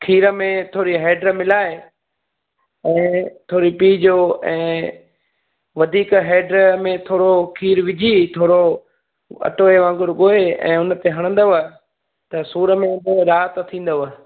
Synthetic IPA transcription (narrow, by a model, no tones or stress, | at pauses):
kʰiːɾəmẽt̪ʰoːɾiɦeːɖɾəmɪlaːe | ɛ̃ːt̪ʰoːɾipiːd͡ʑoːɛ̃ː | ʋɐd̪ʱiːkɦeːɖɾəmẽt̪ʰoːɾokʰiːɾʋɪd͡ʑʱit̪ʰoːɾo | ɐ̰ʈoːeʋãːŋɡʊɾɠoːeɛ̰̃ːʊnt̪eɦɐɽ̃ə̃nd̪əʋə | t̪ɐsuːɾə̆mẽd̪əɾaːɦt̪t̪ʰĩːn̆d̪əʋə